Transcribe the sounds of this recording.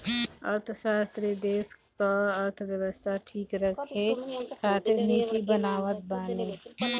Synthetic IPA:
ə̰ɾt̪ʰʃaːst̪ɾid̪eːskaəɾt̪ʰʋjəʋəst̪ʰaʈʰiːkɾəkʰɦekʰaːt̪ʰeniːt̪ibɐnaːʋət̪̚baːniː

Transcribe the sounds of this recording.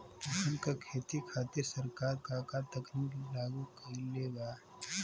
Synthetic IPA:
ɐsənkakʰeːt̪ikʰaːt̪ɪɾsɐɾkaːɾkakat̪ɐkniːklaːɡukɐɾileːba

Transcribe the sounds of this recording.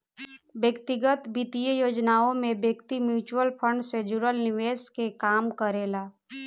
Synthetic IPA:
bjəkt̪ɪɡət̪bit̪ijəjoːd͡ʒnaːõmẽbjəkt̪imjuːt͡ʃuwəlpʰə̃ɳɖsed͡ʒuɾəlnɪʋeːskekaːmkəɾeːlaː

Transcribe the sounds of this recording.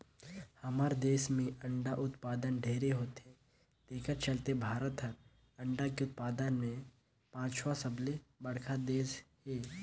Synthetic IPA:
hɐmaːɾd̪eːsmẽə̃ɳɖaʔʊt̪paːd̪ənɖʱeːɾeɦoːt̪ɦɛ̃ | t̪eːkəɾt͡ʃəlt̪ebʱaːɾət̪ɦəɾ | ɐ̃ɳɖakeʊt̪̚paːd̪ənmẽ | pãːt͡ʃʰʋasəblebɐɽkʰad̪eːsɦeː

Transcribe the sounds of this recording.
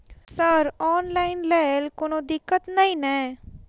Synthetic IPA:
səɾɔːnlaːɪnlɛːlkonõːd̪ɪkːət̪naĩːnɛ̃ː

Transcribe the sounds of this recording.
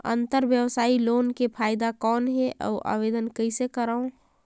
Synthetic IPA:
ə̰̃nt̪əɾʋjəwsaːiloːnkepʰaːɪd̪akɔːnɦɛʔɔ̰ːʔa̰ːʋeːd̪ənkɐɪsekəɾaõ

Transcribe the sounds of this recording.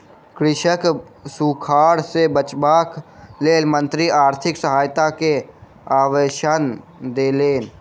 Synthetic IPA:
kɾɪʃək | sukʰaːɽsebət͡ʃbaːkleːlmə̃nt̪ɾiaːɾt̪ʰɪksəɦaːjt̪ake | aːʋeːʃan | d̪eːleːn

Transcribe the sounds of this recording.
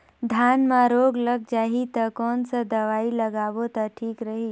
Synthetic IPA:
d̪ʱjaːnmãɾoːɡləɡ̚d͡ʒaːɦit̪ɐkɔːnsəd̪ɐʋaːilɐɡaːʋot̪aʈʰiːkɾəɦiː

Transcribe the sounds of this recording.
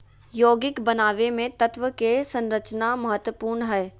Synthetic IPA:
joːɡɪkbɐnaːʋemẽt̪ɐt̪ʋəkesɐ̃nɾət͡ʃnamɐɦət̪wəpuːɾnɦɛː

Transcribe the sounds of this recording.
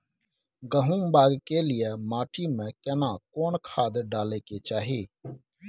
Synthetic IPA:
ɡəɦũːmbaːɡkeːlɪjemaːʈʰiːmẽːkɛːnãːkoːnkʰaːd̪ɖaːleːkeːt͡ʃaːɦeː

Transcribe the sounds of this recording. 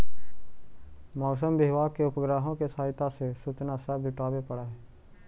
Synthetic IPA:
mɔːs̬əmbɪɦʋaːkeʊpəɡɾaːɦõkesaːɦɪt̪asesʊt͡ʃnasəbd͡ʒʊʈaːbepəɽaɦɛː

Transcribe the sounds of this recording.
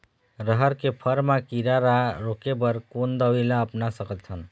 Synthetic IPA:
ɾəɦəɾkepʰəɾmakiɾaɾaɾokebəɾkond̪əʋilaəpnasəkət̪ʰən

